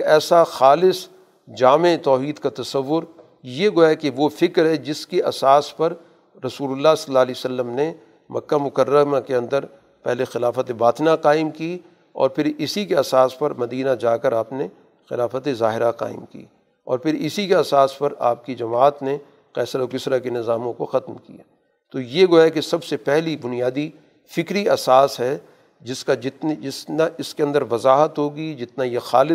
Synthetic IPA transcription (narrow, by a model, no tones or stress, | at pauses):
kɛːsaxaːlɪs | d͡ʒaːmet̪ɔːɦiːd̪kat̪ɐsɐʋːʊɾ | jeɡojakeʋofɪkɾɦɛd͡ʒɪskeʔɐsaːspɐɾ | ɾɐsuːlʊlːasɐlːaːɦliosɐlːəmne | mɐkːamʊkəɾːəmakeɐ̃nd̪əɾ | pɛɦlexɪlaːfət̪ebaːt̪naqaːɪmki | ɔ̰ːɾpʰɪɾɪsikeɐsaːspɐɾmɐd̪iːnad͡ʒaːkəɾaːpne | xɪ̰laːfət̪ezaːɦɪɾaqa̰ːɪmkḭː | ɔ̰ːɾpʰɪɾɪsikeɐsaːspɐɾa̰ːp̚kid͡ʒɐmaːt̪ne | qɛːsəɾokɪsɾakenɪzaːmõkoxɐt̪mkḭja̰ | t̪oːjeɡoɛkesɐbsepɛɦlibʊnijaːd̪i | fɪkɾiɐsaːsɦɛ | d͡ʒɪskad͡ʒɪt̪nd͡ʒɪsnaʔɪskeɐ̃nd̪əɾʋɐzaːɦət̪ɦoːɡid͡ʒɪt̪najexaːlɪ